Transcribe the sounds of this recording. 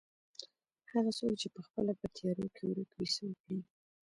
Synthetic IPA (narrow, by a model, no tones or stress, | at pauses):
haɣasolt͡ʃepəxpəlabat̪jɑɾokʰewɾəkwisawəkɽi